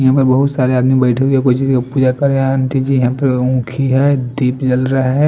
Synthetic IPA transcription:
ɐɦãpəɾbɐɦʊt̪saːɾeaːd̪mibɛːɪʈʰeɦueɛkoit͡ʃiːzkapuːd͡ʒakɐɾeãnt͡ʃid͡ʒjɐɦãpəɾũːkʰiɦɛːd̪iːpd͡ʒɐlɾaɦɦɛ

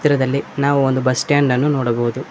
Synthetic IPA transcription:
t̪ɾɐd̪ɐlːinaːʋuond̪ubɐsʈaːɳɖɐnːunoːɽɐbɐɦud̪u

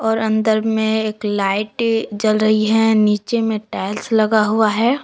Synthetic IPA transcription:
ɔːɾɐ̃nd̪əɾmẽeːklaːɪʈd͡ʒɐlɾɐɦiɦɛniːt͡ʃemẽʈɛːlslɐɡaɦuaɦɛː

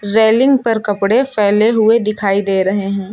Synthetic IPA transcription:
ɾeːlɪ̃ŋɡpɐɾkɐpɽepʰɛːleɦʊed̪ɪkʰaːid̪eːɾɐɦeɦɛ̃ː

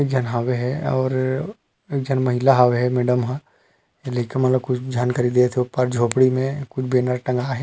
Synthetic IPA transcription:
eːk̚d͡ʒʱɐnɦaːweɦɛɔːɾ | eːk̚d͡ʒʱənmɐɦɪlaɦaːʋeɦɛmeːɖəmɦã | leːkemɐt̪ləb̚kʊt͡ʃʰd͡ʒaːnkaːɾid̪eːt̪ʰeʊpəɾd͡ʒʱoːpɽimẽkʊt͡ʃʰbeːnəɾʈɐ̃ŋɡaːɦɛ

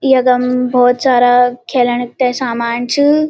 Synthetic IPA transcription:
ijɐɡɐmbʱɔːt̪saːɾakʰeːləɳk̚t̪esaːmaːnt͡ʃʰɨ

